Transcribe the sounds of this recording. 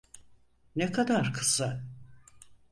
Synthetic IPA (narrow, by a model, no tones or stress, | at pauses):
nekʰad̪aɾkʰɯ̥sa